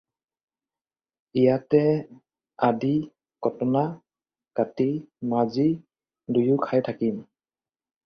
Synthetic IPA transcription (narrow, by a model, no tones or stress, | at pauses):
ijatɛ | adi | kɔtɔna | katimazi | dujukʰajtʰakim